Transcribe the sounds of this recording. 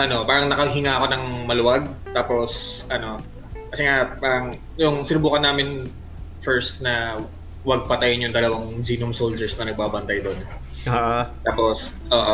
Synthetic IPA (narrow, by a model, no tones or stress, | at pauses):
ʔɐno̞paːɾɐŋnɐkɐɦɪŋaːɐko̞nɐŋmɐlʊwaɡ̚ | t̪aːposʔɐno̞ | kɐsɛŋapaːɾɐŋ | jʊŋsɪnʊbuːkɐnːaːmɪn | fɛɹst̪̚nɐ | wɐɡ̚pɐt̪ajɪnjʊŋd̪ɐlɐwaŋd͡ʒiːnʊmsowld͡ʒɛɹsnɐnɐɡ̚baːbɐnt̪ɐjd̪on | t̪aːpo̞s | ʔoːʔo